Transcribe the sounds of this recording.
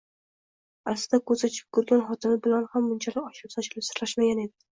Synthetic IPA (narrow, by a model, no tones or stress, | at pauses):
aɾsɪd̪akʰɵɾsat͡ʃʰɪ̥p̚kʰʊɾɡʲanχɒt̪ʰɪnɪbɪlanhamːʊnt͡ʃʰalɪkʲɒʃɪpsat͡ʃʰɪlɪpsɪɾlaʃmaɡʲane̞d̪ɪ̥